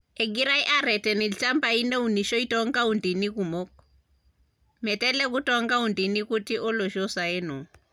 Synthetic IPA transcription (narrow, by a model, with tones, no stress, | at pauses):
ɛ˨ɡi˦ɾa˦i˦ʔa˦ɾɛ˨tɛ˨ni˨lt͡ʃa˦mbai˦nɛ˦uni˨ʃɔ˦i˦tɔ˦ŋɡa˦u˨ndi˨ni˦ku˨mo˦k | mɛ˨tɛ˦lɛk̬u˦tɔ˦ŋɡa˦undi˨ni˦ku˦ti˦ʔɔ˦lɔ˨ʃɔ˦sa˨ɛ˦nɔ˨